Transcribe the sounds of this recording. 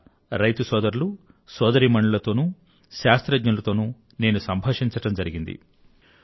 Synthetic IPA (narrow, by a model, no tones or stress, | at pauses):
ɾɐjt̪usɔːd̪ɐɾulu | sɔːd̪ɐɾimɐɳɖulɐt̪o̞ːnu | ʃaːst̪ɾɐd͡ʒɲɐnulɐt̪o̞ːnu | ne̞ːnusɐmbʱɐːʂiɲt͡ʃɐʈɐmd͡ʒɐɾiɡind̪ḭ